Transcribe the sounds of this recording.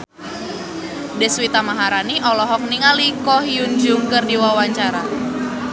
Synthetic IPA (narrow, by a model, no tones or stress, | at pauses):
dɛswit̪amaɦaɾaniʔɔlɔɦɔk̚niŋalikɔɦiund͡ʒuŋkərdiwawaɲt͡ʃaɾa